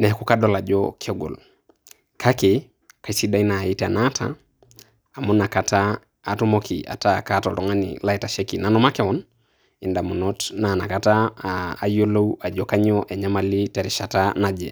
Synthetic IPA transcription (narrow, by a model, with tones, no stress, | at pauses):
nɛ˨ku˦kadɔ˦la˨d͡ʒɔkʰɔ˦ɡo̰˨l | kʰake | ka˨si˦da˦ina˨i˦tɛa˨natʰa̰ː˨ | mu˦na˨kataː˨ | tu˦mokʰi˨a̰˨ta˦˨ka˦tɔ˨tɔ˦ŋa˦nḭla˦i˦ta˨ʃe˦ki˨na˦nɔ˦ma˦kɛwɔ˦n | i˨nda˨mu˨nɔtna˨na˨kata̰ː˨ | jo˦lo˦wa˨d͡ʒɔkaɲɔʔɛ˨ɲa˦mali˦tɛ˨ɾi˨ʃa˨tana˨d͡ʒɛ˨